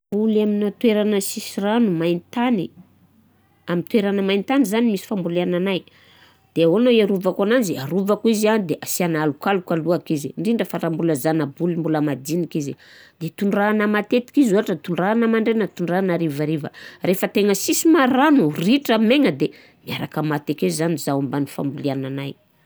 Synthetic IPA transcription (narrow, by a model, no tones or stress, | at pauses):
bulaminat̪weɾanəsisiranumajnt̪ani | amint̪weɾanəmajnt̪anizanimisi̥fambuleananaj | d̪̥eawanoiaɾuvakanand͡ʒiaɾuvakuizianid̪eʔasianalukalukaluakiziɳɖ͡ʐiɳɖ͡ʐəfaɾambuləzanabulimbuləmad̪inikizid̪et̪uɳranəmat̪et̪i̥kizaaʈ͡ʂət̪uɳɖ͡ʐanəmaɳɖ͡ʐenat̪uɳɖ͡ʐanaɾivaɾivə̰refət̪eŋəsisimaɾanuriʈ͡ʂameŋəd̪e | miaɾakəmat̪ekezanizaambanifa̰mbuliananaj